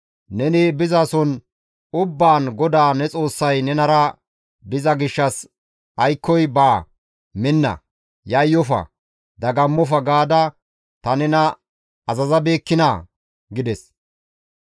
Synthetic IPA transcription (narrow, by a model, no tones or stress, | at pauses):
nɛnɪbɪzasɔn | ʊbːaːnɡɔd̪aːnɛt͡sʼo̞ːsːɐjnɛnɐɾɐ | bɪzɐɡɪʃːɐs | ɐjkːɔjbaː | mɪnːɐ̰ | jɐjːɔfɐ̰ | d̪ɐɡɐmːɔfɐɡaːd̪ɐ | t̪ɐnɛnɐ | ɐzɐzɐbe̞ːkːɪna̰ː | ɡɪd̪ɛs